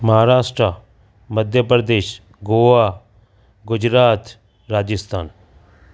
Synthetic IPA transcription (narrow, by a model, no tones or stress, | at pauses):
mɐɦaːɾaːʃʈɾa | məd̪ʱjəpɾəd̪eːʃ | ɡoːʋaː | ɡʊd͡ʒɾaːt̪ | ɾaːd͡ʒɪst̪ʰa̰ːn